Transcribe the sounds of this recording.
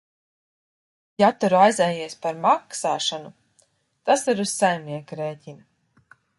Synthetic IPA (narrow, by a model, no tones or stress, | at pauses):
jat̪uɾuajzɛjiɛspaɾmaksaːʃanu | t̪asiɾuzsajmniɛkuɾeːcʲin